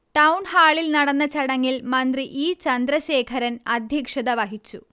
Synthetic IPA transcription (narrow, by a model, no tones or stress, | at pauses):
ʈɐwunhaːɭilnɐɽɐnːɐt͡ɕɐɽɐŋːilmɐnd̪riʔiːt͡ɕɐnd̪ɾɐɕeːkʰɐɾɐnɐd̪ʱjɐkʂɐðɐʋɐɦit͡ɕːu